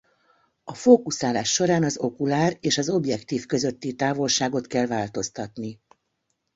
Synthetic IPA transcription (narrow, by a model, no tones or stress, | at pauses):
ɒfoːkusaːlaːʃːo̞ɾaːnɒzo̞kulaːreːʃɒzo̞bjɛkt̪iːfkø̞zø̞t̪ːit̪aːvo̞lʃaːɡo̞t̪kɛlvaːlt̪o̞st̪ɒt̪ni